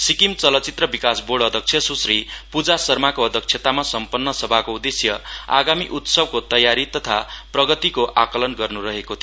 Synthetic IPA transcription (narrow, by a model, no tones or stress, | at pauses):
sikimt͡sʌlʌt͡sit̪rʌbikasboɽʌd̪ʱʌk̚sʰjʌsusripud͡zasʌrmakoʌd̪ʱʌk̚t͡ʃʰjet̪amasʌmpʌnːʌsʌbʱakoud̪esjʌa̰ɡamiʔut̪sʌbkot̪ʌjaɾit̪ʌt̪ʰaprʌɡʌt̪ikoʔakʌlʌnɡʌrnurʌɦekot̪ʰi